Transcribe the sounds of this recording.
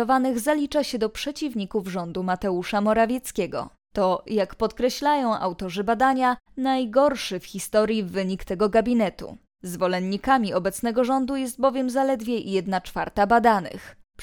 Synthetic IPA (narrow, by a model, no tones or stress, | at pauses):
ɔvanɘɣzalʲit͡ʂaɕɛd̪ɔpʂɛt͡ɕivɲikuvʐɔnd̪umat̪ɛuʂamɔɾavʲjɛt̪skʲɛɡɔ̰ | t̪ɔjakpɔt̪kɾɛɕlajɔ̃w̃ʔa̰wt̪ɔʐɘbad̪aɲa | najɡɔɾʂɘfxʲist̪ɔɾʲjivɘɲikt̪ɛɡɔɡabʲinɛt̪ṵ | zvɔlɛnɲikamʲiɔbɛt̪snɛɡɔʐɔnd̪ujɛst̪̚bɔvʲjɛmzalɛd̪vʲjɛjɛd̪nat͡ʂfaɾt̪abad̪anɘ̰xp